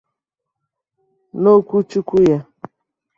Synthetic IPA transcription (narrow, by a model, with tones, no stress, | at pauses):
no˦kʷu˦t͡ʃu˦kʷu˦ja˦